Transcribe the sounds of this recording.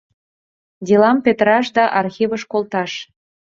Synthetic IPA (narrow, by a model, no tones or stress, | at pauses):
d̪ʲilɑmpet̪ɾɑʃ̬d̪ɑʔɑrxʲiβəʃkolt̪ɑʃ